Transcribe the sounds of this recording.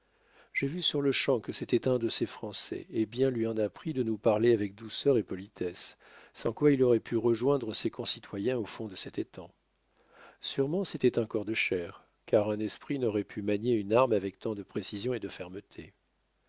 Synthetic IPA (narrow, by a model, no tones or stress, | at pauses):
ʒ̥evysyʁləʃɑ̃kəset̪ɛt̪ɛ̃d̪əsefχɑ̃sɛ̰ebjɛ̃lɥiɑ̃napχid̪ənupaʁleavɛk̚d̪usœʁepɔlit̪ʰɛsː | ɑ̃kwailɔʁɛpʰyʁəʒwɛ̃d̪ʁəsekɔ̃sit̪wajɛ̃ofɔ̃d̪əsɛt̪et̪ʰɑ̃ | syʁmɑ̃set̪ɛt̪ɑ̃kɔʁd̪əʃɛʁ | kaʁɛ̃nɛspχinɔʁɛpʰymaɲeynaʁmavɛk̚t̪ɑ̃d̪əpχesizjɔ̃ed̪əfɛʁmət̪ʰe